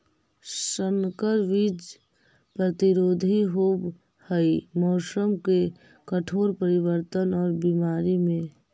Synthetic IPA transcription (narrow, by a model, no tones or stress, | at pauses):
səŋkəɾʋid͡ʒ | pɾət̪iɾoːd̪ʱiɦoːb | həimɔːsəmke | kəʈʰoːɾpəɾɪwəɾt̪ənɔːɾbimaːɾimẽ